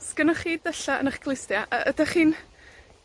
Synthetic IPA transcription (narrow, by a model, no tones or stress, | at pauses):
sɡ̥ənaχiːdðɛɬaə̰naχɡ̥lˠɪstjaʔəʔədaχiːn